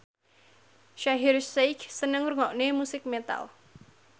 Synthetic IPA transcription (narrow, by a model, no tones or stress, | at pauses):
ʃaɦirsejksənəŋurŋɔʔnemusɪk̚met̪a̰l